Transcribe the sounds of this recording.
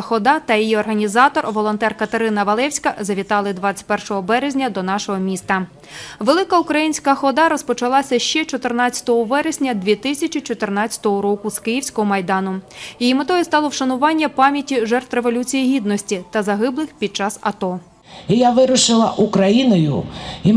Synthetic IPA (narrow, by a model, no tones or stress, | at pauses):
xɔd̪ɑt̪ɐjijiɔrɦɐnʲizɑt̪ɔrʋɔlˠɔnt̪ɛrkɐt̪eɾɪnɐʋɐlˠɛwsʲkɐzɐʋʲit̪ɑlˠɪd̪ʋɑt͡sʲːɐ̥tʲpɛrʃɔɦɔbɛɾezʲnʲɐd̪ɔnɑʃɔɦɔmʲist̪ɐ | ʋelˠɪkɐukɾɐjinʲsʲkɐxɔd̪ɑɾɔspɔt͡ʃɐlˠɑsʲɐʃt͡ʃɛt͡ʃɔt̪ɪrnɑt͡st͡sʲːɐ̥t̪ɔɦɔʋɛɾezʲnʲɐd̪ʲʋʲit̪ɪsʲɐt͡ʃit͡ʃɔt̪ɪrnɑt͡st͡sʲɐ̥t̪ɔɦɔɾɔkʊskɪjiwsʲkɔɦɔmɐjd̪ɑnʊjijimɪt̪ɔjist̪ɑlˠɔwʃɐnʊʋɑnʲːɐpɑmʲjɐtʲiʒɛrt̪reʋɔlʲut͡sʲijiɦʲid̪nɔsʲtʲit̪ɐzɐɦɪblˠɪxpʲid̪̚t͡ʃɑsɐt̪ɔ | ijaʋɪɾʊʃɪlˠɐʔukɾɐjinɔjʊ̰i